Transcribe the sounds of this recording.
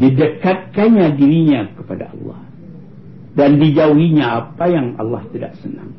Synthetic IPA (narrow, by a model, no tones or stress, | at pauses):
didəkat̪̚kanɲadiɾiɲakəpada̰ɑ̰lːɑ̰h | dandid͡ʒauɦiɲaapajaŋɑ̰lːɑ̰ht̪ida̰ʔsəna̰ŋ